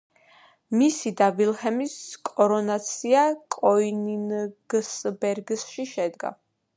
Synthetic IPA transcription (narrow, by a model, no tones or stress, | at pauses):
misid̪avilˠhɛmiskʼɔɾɔnat̪sʰiakʼɔininɡsbɛɾɡsʃiʃɛd̪ɡa̰